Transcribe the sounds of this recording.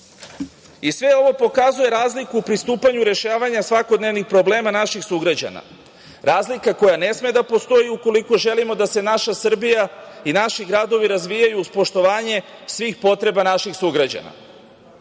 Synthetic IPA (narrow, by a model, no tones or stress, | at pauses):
isʋe̞o̞ʋo̞po̞kazuje̞ɾaːzlikuːpɾist̪uːpaɲuɾe̞ʃaːʋaɲasʋako̞d̪ne̞ʋnixpɾo̞ble̞ːmanaʃixsuɡɾad͡ʑa̰na̰ | ɾaːzlikako̞jane̞smed̪apo̞st̪o̞jiuko̞liko̞ʒe̞limo̞d̪ase̞naʃasr̩bijainaʃiɡɾad̪o̞ʋiɾazʋijajuːspo̞ʃt̪o̞ʋaːɲe̞sʋiːxpo̞t̪ɾe̞banaʃixsuɡɾad͡ʑa̰na̰